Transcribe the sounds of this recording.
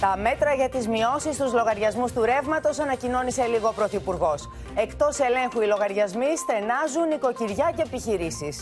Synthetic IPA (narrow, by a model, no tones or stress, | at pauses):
t̪ɐme̞t̪ɾɐʝɐt̪izmio̞sist̪uzlo̞ɣɐɾʝɐzmust̪uɾe̞vmɐt̪o̞sɐnɐcino̞nise̞liɣo̞pɾo̞θipuɾɣo̞s | e̞kt̪o̞se̞le̞ŋxuilo̞ɣɐɾʝɐzmisθe̞nɐzuniko̞ciɾʝɐceepiçiɾisis